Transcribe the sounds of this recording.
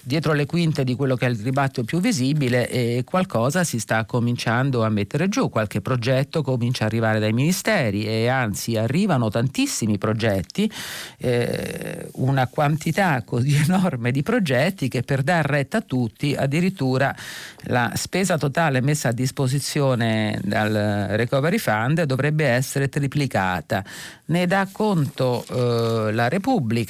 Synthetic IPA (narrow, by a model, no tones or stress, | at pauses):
d̪jɛːt̪ɾolekwint̪ed̪ikwelːokɛlribat̪ːjopjuvːizibileʔɛkwalkɔːzasist̪akːomint͡ʃand̪oamːet̪ːeɾed͡ʒukːwalkepːɾod͡ʒɛt̪ːokomint͡ʃaːrːivaːɾed̪ajminist̪ɛːɾieant̪siarːiːvanot̪ant̪isːimipɾod͡ʒɛt̪ːi | ṵnakwant̪it̪akːozienɔrmed̪ipɾod͡ʒɛt̪ːik̟epːerd̪arːɛt̪ːat̪ːut̪ːiʔa̰d̪ːiɾit̪ːuːɾala̰spɛːzat̪ot̪aːlemesːaːd̪ːispozit̪sːjoːned̪alrekɔveɾifand̪d̪ovɾɛbːeɛsːeɾet̪ɾiplika̰ːt̪aned̪akːont̪o | laɾepubːlika